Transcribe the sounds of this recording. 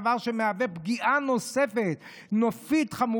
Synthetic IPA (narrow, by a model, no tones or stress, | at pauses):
vaʁʃemeavepɡiʔano̞sefet | nofit̪χamu